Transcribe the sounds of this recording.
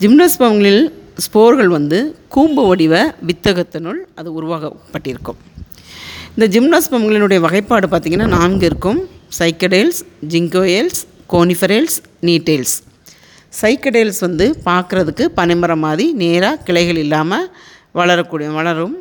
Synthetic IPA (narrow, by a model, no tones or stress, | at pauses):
d͡ʒɪmnaːsbɐmŋɡɐɭɪlspoːɾɣɐɭʋɐnd̪ɯkuːmbɯʋɐɽɪʋɐʋɪt̪ːɐɣɐt̪ːɐnʊɭɐðɯʊɾʊʋaːɣɐpːɐʈːɪɾɯkːɯ̰m | ɪnd̪ɐd͡ʒɪmnaːsbɐmɡɐɭɪnɯɽɐjɐʋɐɣɐɪpːaːɽɯpaːɾt̪iːŋɡɐnːaːnaːnɡɪɾɯkːɯmsɐɪkːɐɽeːlsd͡ʒɪŋɡoːjɛlskoːnɪfɐɾeːls | niːʈːeːls | sɐɪkːɐɽeːlsʋɐnd̪ɯpaːɾkɯɾɐðɯkːɯpɐnɐɪmɐɾɐmːaːðineːɾaːkɪɭɐɪɣɐɭɪlːaːmɐ | ʋɐɭɐɾɐkːuːɽɪjɐʋɐɭɐɾɯm